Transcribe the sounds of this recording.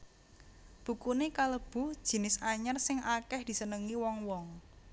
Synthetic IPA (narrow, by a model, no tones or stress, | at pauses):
b̥ṳkunekaləb̥ṳd̥ʒ̥i̤nɪsaɲərsɪŋʔakɛhd̪̥i̤sənəŋiwɔŋwɔŋ